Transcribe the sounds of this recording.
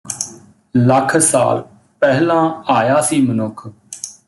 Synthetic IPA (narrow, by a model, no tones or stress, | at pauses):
ləkʰsa̰ːl | pɛɦlãːaːjaːsiːmənʊkʰ